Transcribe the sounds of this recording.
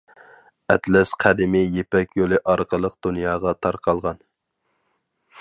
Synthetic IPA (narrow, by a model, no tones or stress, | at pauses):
ɛt̪lɛsqʰæd̪ɪmɪjepɛkʲjolˠɨʔɑɾqəlˠəq̚d̪̥unjɑːʁɑt̪ʰɑɾqʰɑlˠʁɑn